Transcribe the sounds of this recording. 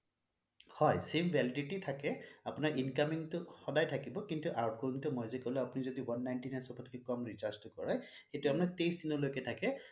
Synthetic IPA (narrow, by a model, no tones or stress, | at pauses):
hɔjsembʱɛlidititʰakɛapʊnaɹʔinkamiŋtʊxɔdajtʰakibɔkintuʔaɹkɔɹiŋtʊmojzɛkolɛapʊnizɔdiwanːajntinasɔpʰɔtʰkɛkɔmɹizastʊkɔɹaj | xetʊapʊnaɹtejsdinɔlojkɛtʰakɛ